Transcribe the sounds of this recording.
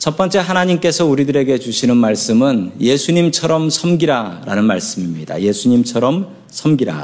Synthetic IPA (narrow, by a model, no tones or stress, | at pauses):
t͡ɕʰʌp͈ʌnt͡ɕ͈e̞ɦanaɲimk͈e̞sʰʌuɾidɯɾe̞ɡe̞t͡ɕuɕʰinɯnmaɭs͈ɯmɯnje̞sʰuɲimt͡ɕʰʌɾʌmsʰʌmɡiɾaɾa̰nɯnmaɭs͈ɯmimɲida̰je̞sʰuɲimt͡ɕʰʌɾʌm | sʰʌmɡiɾa̰